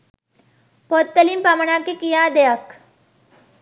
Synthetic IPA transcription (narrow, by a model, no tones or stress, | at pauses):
pot̪̚t̪ːəlimpaməɳakekijaːd̪ejak